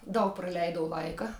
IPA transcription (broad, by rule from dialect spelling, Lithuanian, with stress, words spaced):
ˈdɐʊk prɐˈlʲɛɪdɐʊ ˈlˠɐɪkɐ